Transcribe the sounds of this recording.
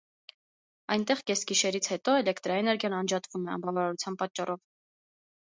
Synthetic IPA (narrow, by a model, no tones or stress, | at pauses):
ɑjnt̪ɛʁkɛsɡiʃɛɾit͡sʰhɛt̪ɔɛlɛkʰt̪ɾɑɛnɛɾɡʲjɑnɑnd͡ʒɑt̪vumɛɑ̰mbɑvɑɾɑɾut͡sʰjɑnpɑt͡ʃːɑrʔɔv